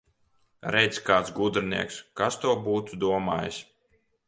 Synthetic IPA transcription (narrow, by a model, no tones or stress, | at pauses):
ɾɛjt̪skaːt̪sɡud̪ɾɨnḭɛkskast̪uɔbuːt̪ud̪uɔma̰ːjḭsʲ